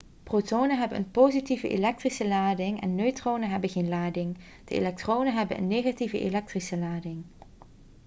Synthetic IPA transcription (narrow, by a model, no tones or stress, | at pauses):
protownənɦɛbənʔə̰npowzitivəʔḛlɛk̚trisəlaːdɪŋɛ̰nːøɥtrownəɦɛbəɣeːnlaːdɪŋ | d̥əḛlɛk̚troːnənɦɛbə̰nʔə̰nːeːɣativəʔḛlɛk̚trisəlaːdɪŋ